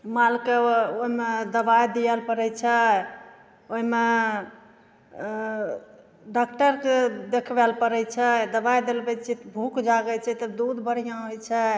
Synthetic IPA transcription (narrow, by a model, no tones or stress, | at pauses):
malkeoɦimed̪əbajd̪ijɛlpəɾɛjt͡ʃʰɛ | oɦime | ɖakʈəɾked̪ekʰbɛlpəɾɛjt͡ʃʰɛd̪əbajd̪elbɛt͡ʃʰit̪bʱukd͡ʒaɡɛt͡ʃʰɛt̪əd̪ud̪bəɾ̤ijãɦojt͡ʃʰɛ